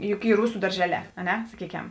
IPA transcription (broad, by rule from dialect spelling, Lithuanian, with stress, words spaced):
ˈjʊk ˈiː ˈrʊsʊ dɐrʲˈʒʲæːˌlʲɛː ɐ ˈnʲɛ sɐˈkʲiːkʲɛm